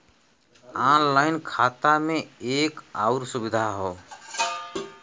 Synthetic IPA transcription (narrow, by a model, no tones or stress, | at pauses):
anlaɪnkʰat̪ameeːkaʊɾsubid̪ʱaɦo